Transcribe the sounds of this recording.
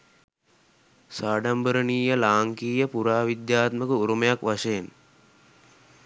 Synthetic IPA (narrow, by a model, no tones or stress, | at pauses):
saːɖambəɾəniːjəlaːŋkiːjəpuɾaːʋid̪jaːt̪məkəuɾuməjakʋaʃeːn